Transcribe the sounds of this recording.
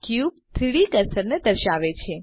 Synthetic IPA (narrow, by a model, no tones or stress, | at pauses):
kjub̚t̪ʰɾiɽikəɾsəɾned̪əɾʃaʋet͡ʃʰe